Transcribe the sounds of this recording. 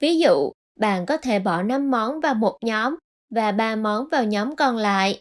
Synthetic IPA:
vi˨˦zṵ˧˨ | ɓa̰ː˧˨nkɔ˨˦t̪ʰe˧˩ɓɔ˧˩na˧mːɔ˨˦nvaː˨˩wmo˨˩t̚ɲɔ˨˦m | vaː˨˩ɓaː˧mɔ˨˦nvaː˨˩wɲɔ˨˦mkɔ˧nla̰ː˧˨jʔ

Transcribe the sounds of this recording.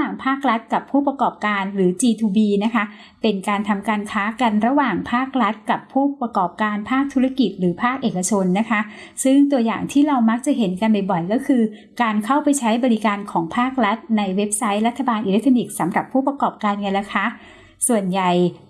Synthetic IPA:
aː˨˩ŋpʰaː˥˩k̚ɾa˦˥t̪̚ka˨˩pʰuː˥˩pɾa˧kɔː˨˩p̚kaː˧nɾɯː˩˦t͡ɕiː˧t̪ʰuː˧biː˧na˦˥kʰa˦˥ | pe˧nkaː˧nt̪ʰa˧mkaː˧nkʰaː˦˥ka˧nɾa˧waː˨˩ŋpʰaː˥˩k̚ɾa˦˥t̪̚ka˨˩pʰːuː˥˩pɾa˧kɔː˨˩p̚kaː˧npʰaː˥˩k̚t̪ʰu˦˥ɾa˧ki˨˩t̪̚ɾɯː˩˦pʰaː˥˩k̚ʔeː˨˩kːa˧t͡ɕʰo˧nːa˦˥kʰa˦˥sɯ˥˩ŋt̪u˧ɐjaː˨˩ŋt̪ʰiː˥˩ɾa˧wma˦˥k̚t͡ɕa˨˩ɦe˩˦nka˧nba˨˩jbɔ˨˩jkɔː˥˩kʰɯː˧ | kaː˧nkʰa˥˩wpa˧jt͡ɕʰa˦˥jbɔː˧ɾi˦kaː˧nkʰɔː˩˦ŋpʰaː˥˩k̚ɾa˦˥t̪̚na˧jwe˦˥p̚sa˦˥jɾa˦˥t̪ʰːa˧baː˧nʔi˧le˦˥k̚t̪ʰɔ˧ni˨˩k̚sa˩˦mɾa˨˩pʰːuː˥˩pɾa˧kɔː˨˩p̚kaː˧nka˧nla˧˥kʰaː˦˥ʔ | su˨˩ənja˨˩j

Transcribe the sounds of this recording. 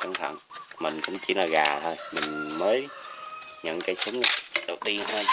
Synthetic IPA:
ka˨˧˩ŋt̪ʰə̰˧˨nmï˨˩ŋ̟kʊ̰˧˥wŋ͡mt͡ɕḭ˧˩laː˨˩ɣaː˨˩t̪ʰo˧jmï˨˩ŋ̟məː˨˦j | ɲə̰˧˨nkaː˨˦jsʊ˨˦ŋ͡mə˨˩ɗə˨˩w̚ɗi˧˨˦t̪ʰo˧j

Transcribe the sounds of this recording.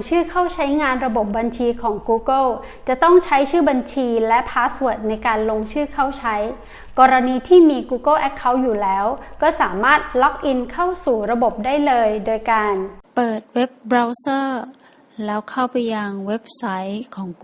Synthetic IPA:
ŋt͡ɕʰɯː˥˩kʰa˥˩wt͡ɕʰa˦˥jŋaː˧nɾa˧bo˨˩p̚ba˧nt͡ɕʰiː˧kʰɔː˩˦ŋkuː˧kɤ˥˩w | t͡ɕa˨˩t̪ɔ˥˩ŋt͡ɕʰa˦˥jt͡ɕʰɯː˥˩ba˧nt͡ɕʰiː˧lɛ˦˥pʰaː˦˥su˨˩ət̪̚na˧jkaː˧nlo˧ŋt͡ɕʰɯː˥˩kʰa˥˩wt͡ɕʰa˦˥j | kɔː˧ɾa˧niː˧t̪ʰiː˥˩miː˧kuː˧kɤ˥˩lʔɛ˦˥kʰːa˦˥wjuː˨˩lɛː˦˥wkɔː˥˩saː˩˦maː˥˩t̪̚lɔ˦˥k̚ʔi˧nkʰa˥˩wsuː˨˩ɾa˧bo˨˩p̚daː˥˩jlɤː˧jdoː˧jkaː˧npɤː˨˩t̪̚we˦˥p̚bɾa˧wsɤː˥˩ | lɛː˦˥wkʰa˥˩wpa˧jːa˧ŋwe˦˥p̚sa˦˥jkʰɔː˩˦ŋ

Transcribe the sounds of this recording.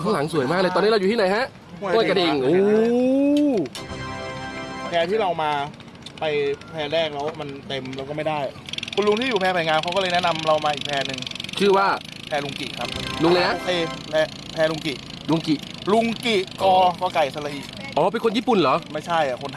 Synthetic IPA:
kʰa˥ŋla˨˩˦ŋsu˩˦jmaː˦˥k̚lɤ˧t̪ɔː˧niː˦˥ɾa˧wjuː˨t̪iː˥˩a˨˦jɦa˦˥ʔ | u˥˩ə˨ka˧di˧˩˧ŋʔoː˧˦ | kʰɛː˧t̪ʰiː˥˩ɾa˧wmaː˧ | pa˧jpʰɛː˧ɾɛː˥˩klɛ˦˥wma˧nt̪e˧mɾɛ˧˦˥wkɔː˥˩ma˥˩jdaː˥˩jkʰu˧nlu˧ŋt̪ʰiː˥˩juː˨˩pʰɛː˧pʰaː˨˩jŋaː˧mkʰa˦˥wkɔː˥˩lɤː˧jnɛ˦˥ʔna˧mɾa˧wmaː˧ʔiː˨˩k̚pʰɛː˧nɯ˧ŋt͡ɕʰɯː˥˩waː˥˩ | pʰɛː˧lu˧ŋkḭ˨˩kʰɾa˦˥p̚lu˧ŋlɤː˧jha˦˥ʔeː˧˩lɛ˦˥ | pʰɛː˧lu˧ŋki˨˩ʔ | lu˧ŋki˨˩ʔlu˧ŋki˨˩ʔkɔɔː˧˩kɔː˥˩ka˨˩jsa˧˩la˧ʔiː˨˩kʔɔː˨˦pe˧nkʰo˧njiː˥˩pu˨˩nlɔː˨˦˥ma˥˩jt͡ɕʰa˥˩jʔa˨˩kʰo˧nt̪ʰ

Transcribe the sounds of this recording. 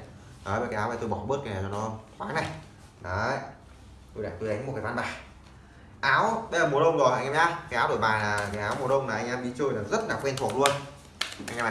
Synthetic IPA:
ɗɔ˨˦və˨˩kaː˨˦ʔːvaː˨˧˩t̪o˧jɓɔ˧˩ɓɨ˦˥t̚ka˨a˨˩t͡ɕɔ˧nɔ˨˦xwaː˨˦ŋna˨˩j | ɗɔ˨˦ | t̪o˧la̰ː˧˩t̪o˧jʔa˨˦jŋ̟m̚˨˩kaː˨˦va˧nɓaː˨˩ | ʔaː˨˦wɓə˧jzəː˨˩m˨˩t̚ʔə˧wŋ͡mɗo˨˩jʔa˧ŋʔɛː˧ɲaː˧˩kaː˨˦ʔaː˨˦wɗo˧˩jɓaː˨˩laː˨˩˨kaː˨˦aː˨˦wmu˨˩ʔə˧wŋ͡mlaː˨˩ʔa˧ŋʔɛ˧mɗi˧˦t͡ɕɨ˧˩jlaː˨˩zə˦˥t̚laː˨˩kwɛ˧nt̪ʰu˨˩ək̚lu˧ən | ʔa˧ŋʔɛː˧m

